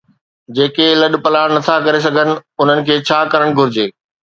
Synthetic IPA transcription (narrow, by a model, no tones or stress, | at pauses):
d͡ʑeːkelɐɗpɐlaːɽnɐt̪ʰakɐɾes̬ɐɡʱənɪ̆ʊn̤ənɪ̆kʰeːt͡ɕʰaːkɐɾəɽ̃ɡʱʊɾɪd͡ʑeː